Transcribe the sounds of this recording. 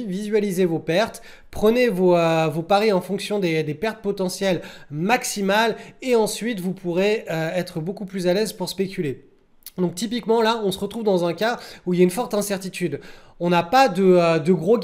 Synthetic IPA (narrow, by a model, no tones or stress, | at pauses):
vizɥalizevopɛʁt̪ | pχənevoøvopaʁiɑ̃fɔ̃ksjɔ̃d̪ed̪epɛʁt̪̚pɔt̪ɑ̃sjɛlmaksimaleɑ̃sɥit̪vupʰuʁeøɛt̪χəbokuplyzalɛzpuʁspekʲyle | d̪ɔ̃k̚t̪ip̬ikmɑ̃laɔ̃səʁət̪χuvd̪ɑ̃zɛ̃kauiljaynfɔʁt̪ɛ̃sɛʁt̪it̪yd̪ | ɔ̃napad̪əød̪əɡʁo